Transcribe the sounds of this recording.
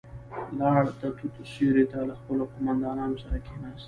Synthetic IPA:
lɑɽd̪ət̪ut̪ʃeɾet̪alaxpəloqomand̪ɑnɑnosaɾakenɑst̪

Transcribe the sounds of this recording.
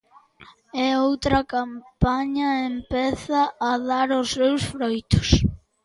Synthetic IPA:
ɛowt̪ɾɐkampaɲɐempɛθɐːðaɾʊsːewsfɾojt̪ʊ̥s

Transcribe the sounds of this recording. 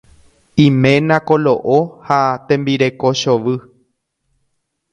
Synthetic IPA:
ĩmẽ̞nãkoloʔohat̪ẽ̞mbiɾe̞ko̞ʃoʋɨ

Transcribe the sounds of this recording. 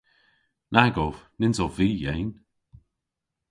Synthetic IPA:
nʔaɡɔvnɪnzɔviːjejn

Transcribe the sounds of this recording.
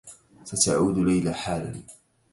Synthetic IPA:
sat̪aʕuːd̪lajlaːħaːla̰

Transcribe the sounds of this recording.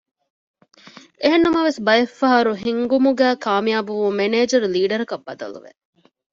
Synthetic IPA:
eɦenːɐmɐʋesbɐjɐfːɐɦɐɾuɦiŋɡumuɡæːkaːmijaːbuʋumeneːd͡ʒɐɾuliːɖɐɾɐkɐbːɐd̪ɐ̰lṵʋḛ

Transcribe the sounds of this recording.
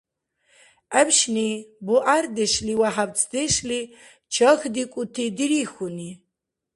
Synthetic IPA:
æbʃnibɔʔaɾd̪ɛʃliwaħab̚t͡sʼʰd̪ɛʃli | t͡ʃʰɔxd̪ikʷʼut̪ʰid̪iɾixuni

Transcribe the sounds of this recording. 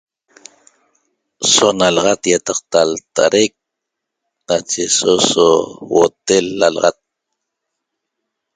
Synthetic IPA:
sonalɑʁɑt̪jat̪ɑqt̪alt̪a̰ɾʔek̚ | nat͡ʃesosowo̰t̪elːalɑ̰ʁɑt̪̚

